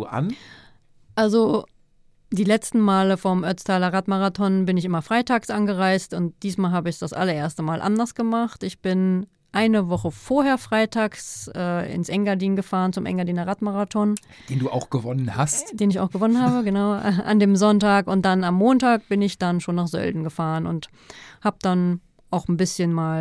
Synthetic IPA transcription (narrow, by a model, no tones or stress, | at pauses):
ʔa̰n | ʔalzo | d̥iːlɛt͡stn̩maːləfɔmʔœt͡stʰaːlɐʁatmaʁatʰɔnbɪnɪçʔɪmɐfʁ̥aɪtʰaːksʔanɡəʁaɪstʊntd̥iːsmaːlɦaːbəɪçd̥asʔa̰lɐʔeːɐstəmaːlʔa̰ndɐsɡ̥əmaχtɪçb̥ɪn | ʔaɪnəvɔχəfoːɐheːɐfʁ̥aɪtʰaːksʔɛːɪ̰nsʔɛŋɡaɐdiːnɡəfaːʁənt͡sʊmʔɛ̰ŋɡaɐdiːnɐʁatmaʁatʰɔn̥ | eːnduːʔaʊxɡ̥əvɔnənhastd̥eːnɪça̰ʊxɡ̥əvɔnənhaːbəɡənaʊɛʔa̰ndeːmzɔntaːkʊnt̚d̥anamːoːntaːk̚b̥ɪnɪçd̥anʃoːnːaːχz̥œ̰ldn̩ɡəfaːʁənʊ̰nt | haːbəd̥an | ʔaʊxn̩bɪsçənmaːl